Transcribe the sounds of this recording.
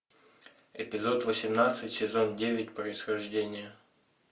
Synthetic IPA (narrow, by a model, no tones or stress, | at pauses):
ɪpʲɪzo̞t̪vəsʲɪmnat̪sɨtʲsʲɪzo̞ndʲevʲɪtʲpɾəɪsxɐʐdʲenʲɪjə